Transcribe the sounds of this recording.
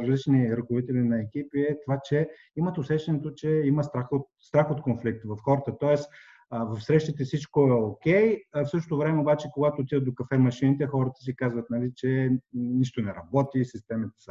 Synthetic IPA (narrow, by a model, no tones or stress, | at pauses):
ɾzlit͡ʃniɾəkovit̪ɛlinɐɛk̟ipiɛt̪ovat͡ʃɛ | imət̪osɛʃt̪ɛnɛt̪ot͡ʃɛiməst̪ɾaxot̪̚st̪ɾaxot̪konflik̚t̪vɐfxɔɾət̪ət̪ɔɛs | vɐfsɾɛʃt̪it̪ɛsit͡ʃkoɛokʲɛjfsɤʃ̬t̪ot̪ovɾɛmɛobat͡ʃɛkoɡat̪oːt̪id̪ət̪d̪okɐfɛmɐʃinit̪ɛxɔɾət̪ə̥sikazvət̪̚nɐlit͡ʃɛniʃt̪onɛɾɐbɔt̪isist̪ɛmit̪ɛ̥sə